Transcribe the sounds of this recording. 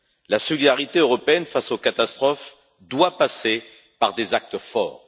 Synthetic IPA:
lasɔlid̪aʁit̪eøʁɔpeɛnfasokat̪ast̪χɔf | d̪wapase | paʁd̪ezak̚t̪əfɔ̰ːʁ

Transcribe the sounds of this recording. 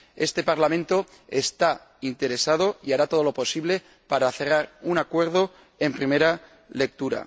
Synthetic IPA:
e̞st̪e̞paɾlamẽnt̪o | e̞st̪a | int̪e̞ɾe̞sað̞o̞iaɾat̪oðo̞lo̞po̞siβle̞ | paɾaθe̞raɾunakwe̞ɾðo̞ | e̞mpɾime̞ɾa | le̞k̚t̪uɾa̰

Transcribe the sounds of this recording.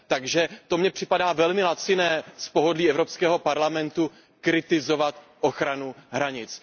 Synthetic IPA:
t̪aɡʒɛt̪o̞mɲɛpr̝̥ɪpadaːvɛlmɪlat͡sɪnɛːspo̞ɦo̞dliːɛvɾopskɛːɦo̞paɾlamɛnt̪u | kɾɪt̪ɪzo̞vat̪ʔoxɾanuɦɾaɲɪt͡s

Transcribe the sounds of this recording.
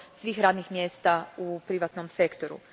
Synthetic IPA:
sʋiːxɾaːd̪nixmjeːst̪aupɾiʋat̪nomse̞kt̪oɾṵ

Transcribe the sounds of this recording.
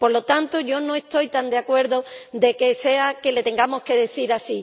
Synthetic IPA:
po̞ɾlo̞t̪ant̪oʝo̞no̞est̪o̞jt̪and̪eakwe̞ɾðod̪e̞ke̞se̞ake̞le̞t̪e̞ŋɡamo̞hke̞ðe̞θiɾasi

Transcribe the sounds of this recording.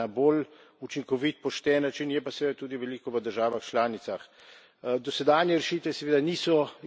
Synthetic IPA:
abol | ut͡ʃiŋkɔʋit̪̚pɔʃt̪ɛːnːat͡ʃinjɛpasɛʋeːd̪at̪uːd̪iʋɛliːkɔʋəd̪əɾʒaːʋaxt͡ʃlaːnit̪sax | d̪ɔsɛd̪aːnjɛɾɛʃiːt̪ʋɛsɛʋeːd̪aniːsɔ

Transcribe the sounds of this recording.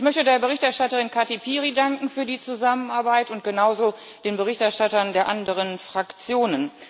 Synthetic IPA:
ʔɪçmœçtədeːɐbəʁɪçtɛɐʃtatəʁɪnkʰatepʰiːʁidaŋkŋ̩fyːɐdiːt͡suzamənʔaɐbaɪtʊnt̚ɡ̥ənaʊzo | d̥eːnbəʁ̞ɪçtɛɐʃtatɐndeːɐʔandəʁ̞ənfʁ̥akt͡sjoːnən

